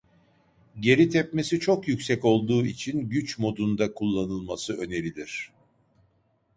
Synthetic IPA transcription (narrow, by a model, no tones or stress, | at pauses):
ɟe̞ɾit̪ʰɛpmesit͡ʃʰo̞kjycsɛco̞lˠd̪uːit͡ʃʰinɟyt͡ʃmo̞d̪und̪akʰulˠːanɯlˠmasɯø̞ne̞ɾʲilʲiɾ̝̥